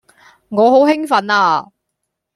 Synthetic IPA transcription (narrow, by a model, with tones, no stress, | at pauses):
ŋɔː˨˧ɦo˨˥wɦɪ˥ŋfɐ˨˥naː˧